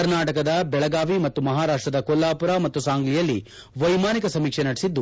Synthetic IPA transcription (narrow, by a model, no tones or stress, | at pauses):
ɐɾnaːʈɐkɐd̪ɐbɛɭɐɡaːʋimɐt̪ːumɐɦaːɾaːʂʈɾɐd̪ɐkolːaːpuɾaːmɐt̪ːusaːŋɡlijɐlːḭ | ʋɐjmaːnikɐsɐmiːkʂenɐɽɛsid̪ːu